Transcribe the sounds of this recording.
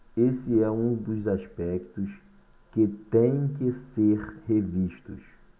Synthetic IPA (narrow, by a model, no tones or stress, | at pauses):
esɪɛũd̪ʊzaʃpɛkt̪ʊs | kɪt̪ẽj̃kɪseɾheviʃt̪ʊ̰s